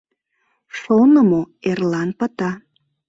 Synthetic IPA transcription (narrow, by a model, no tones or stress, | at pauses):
ʃonəmo | erlɑnpət̪ɑ